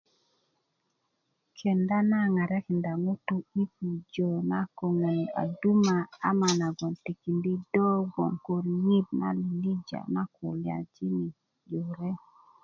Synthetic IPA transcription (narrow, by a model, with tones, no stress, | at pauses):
kʰe˨nda˦na˦ŋa˨ɾɛ˦kɪ˨nda˨ŋo˦tu˦i˦pu˨d͡ʒɔ˨na˦ko˨ŋe˨na̰˨du˦ma˨a˦ma˨na˨ɡɔ˨nti˨ki˨ndi˦dɔ˦ɡɔ̰˨ŋko˨ɾji˦d̚na̰˦li˨ndi˦d͡ʒa̰˨na˦kʊ˨lja̰˨d͡ʒi˦ni˨ | d͡ʒo˨ɾe˦